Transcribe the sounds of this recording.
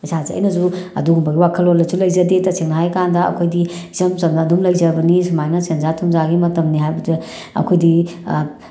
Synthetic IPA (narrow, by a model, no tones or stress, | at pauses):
sʰazeɐ̰jnɐzuɐ̰duɡumbaɡiwakʰəlolːɐzulɐjzɐdetɐseŋnaɦajkandɐɐ̰kʰojdizɐmsɐmnɐːdumlɐjzɐbɐnisumajnɐsenzatʰumzaɡimɐtɐmniɦajbɐze | ɐ̰kʰojdi